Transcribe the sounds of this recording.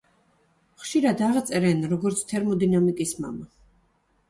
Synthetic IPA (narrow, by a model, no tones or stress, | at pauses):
χʃiɾad̪aʁt̪sʼɛɾɛnɾɔɡɔɾt̪sʰt̪ʰɛɾmɔd̪inamikʼisma̰ma